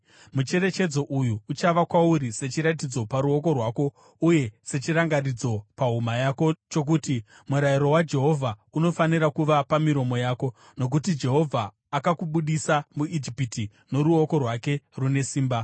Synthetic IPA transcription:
mut͡ʃe̞ɾe̞t͡ʃe̞d͡zo̞ʔujuːt͡ʃaʋakwauɾise̞t͡ʃiɾat̬id͡zo̞paɾuo̞ko̞rwaːko̞ | uje̞se̞t͡ʃiraŋɡarid͡zo̞paɦumajaːko̞t͡ʃo̞k̬uːti | muɾajiɾo̞wad͡ʒe̞ɦo̞vʱauno̞faniɾakuʋapamiɾo̞mo̞jaːko̞ | no̞k̬utid͡ʒe̞ɦo̞vʱaː | kakuɓuɗisamuid͡ʒipiti | no̞ɾuoko̞rwake̞rune̞siːmba

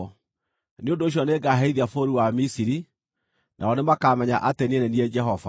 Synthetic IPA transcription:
neondoːɕ̬ɔneɡaɦɛiðiafoɾiwamisiɾi | nʔa̰ɔnemakamɛɲa̰ʔateniɛnɛniɛd͡ʒɛɦɔva̰

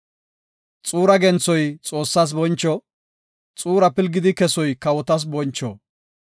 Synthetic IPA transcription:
t͡sʼuːɾɐɡɛnt͡sːɔjt͡sʼo̞ːsːaːs̬bɔnt͡ʃːɔ | t͡sʼuːɾɐpɪlɡɪd̪ɪkɛsɔjkɐwɔt̪ɐs̬bɔnt͡ʃːɔ̰

